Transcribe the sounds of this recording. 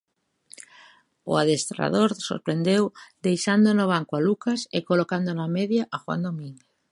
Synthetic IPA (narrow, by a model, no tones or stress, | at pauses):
o̰aðest̪ɾa̰ðoɾso̰ɾpɾe̞nd̪ewd̪e̞jʃand̪onoβ̞aŋkoalukasekolokand̪onameðjaʔaxwa̰nd̪omĩŋɡeθ